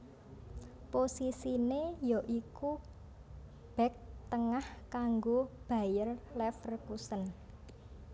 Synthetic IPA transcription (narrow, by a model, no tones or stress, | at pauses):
posisinejɔʔiku | b̥ɛ̤k̚t̪əŋahkaŋɡob̥a̤jərlɛfərkusən